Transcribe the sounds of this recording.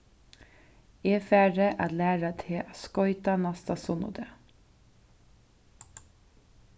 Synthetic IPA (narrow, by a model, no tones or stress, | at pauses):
eːfæːɹəʔɑ̰t̪læːɹat̪ʰɪʔɑskɔʏt̪ɑnɑst̪ɑsʊnʊ̰d̪ə